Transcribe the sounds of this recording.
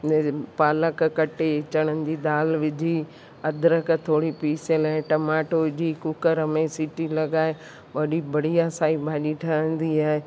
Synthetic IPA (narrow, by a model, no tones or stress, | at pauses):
paːləkkɐʈet͡ɕəɽ̃ənɪ̆d͡ʑid̪aːlʋɪd͡ʑʱi | ɐd̪ʱɾəkt̪ʰoːɽipiːselɛ̃ʈɐmaːʈod͡ʑʱikʊkəɾəmẽsɪʈilɐɠaːe | ʋɐɗibɐɽ̤ijasaːibʱaːɗiʈʰɐə̃nd̪iaːɦe